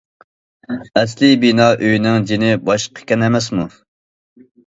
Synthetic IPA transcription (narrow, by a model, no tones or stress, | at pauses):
ɛslɪbinɑːʔøjnɪŋd͡ʒinɪbɑʃqʰə̥kʲɛnɛmɛsmu